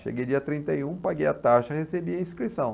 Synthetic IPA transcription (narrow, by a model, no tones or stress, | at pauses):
ʃḛɡejd͡ʒiɐt̪ɾĩnt̪ɐjũpaɡejɐt̪aʃɐhesebiɐĩskɾisɐ̃w̃